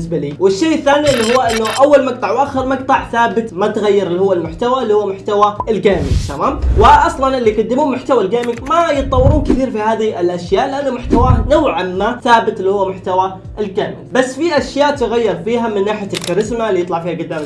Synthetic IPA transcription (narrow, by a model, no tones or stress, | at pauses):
sbaliwɪʃːeːʔɪθːaːniɪlːihuwːaʔɪnːʊʔawːalmɑɡ̚t̪ˤɑʕwʔaxɪɾmɑɡ̚t̪ˤɑʕθaːbɪt̪mat̪ɣajːɪɾɪlːihʊwːalmʊħt̪awalːihʊwːmʊħt̪awaɪlɡaːmɪ̰t̪amaːmwɪʔɑsˤlɑnɪlːiɡʊd̪ːɪmuːnmʊħt̪awalɡaːmɪmajɨt̪̚ˤːɑwːɪɾuːnkɪθiːɾfihaːðiɪlʔaʃjaːʔlɪʔanːʊmʊħt̪awanawʕamːaθaːbɪt̪lːihʊwːamʊħt̪awa | ʔɪlɡaːmɪ̰basːfiʔaʃjaːʔt̪ʊɣajːɪɾˤfiːɦamɪnːaːħɪjalkaɾɪsmalːijɨt̪ˤlɑʕfiːhaɡʊd̪ːaːm